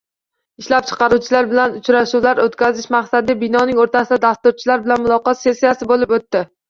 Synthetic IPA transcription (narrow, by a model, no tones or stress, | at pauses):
ɪʃlap̚t͡ʃʰɨ̥qɑɾut͡ʃʰɪlaɾbɪlanʊt͡ʃɾaʃuwlaɾot̪kʲʰazɪʃmaqsad̪ɪbɪnɒnɪŋoɾt̪ʰasɪd̪ad̪ast̪ʊɾt͡ʃʰɪlaɾbɪlanmʊlˠɒqɒt̪se̞sːijasɪbolɪpot̪ːɪ